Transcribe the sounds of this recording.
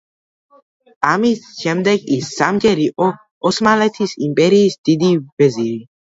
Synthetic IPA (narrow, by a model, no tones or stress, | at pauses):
amisʃɛmd̪ɛɡisːamɡɛɾiʔɔ | ɔsmalɛt̪ʰisimpʼɛɾiːsd̪̥id̪ivɛziɾi